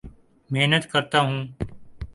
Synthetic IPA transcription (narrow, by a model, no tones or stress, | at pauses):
meɦnət̪kɐɾt̪aɦũː